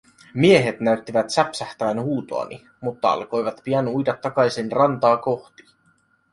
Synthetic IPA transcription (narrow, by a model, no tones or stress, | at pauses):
mie̞ɦe̞t̪næɥt̪ːiʋæt̪sæpsæht̪ææːnhuːt̪o̞ɑ̰nʔḭ | mut̪ːɑɑ̰lko̞jʋɑt̪piænujdɑt̪ːɑkɑjsinrɑnt̪ɑːko̞xt̪i̥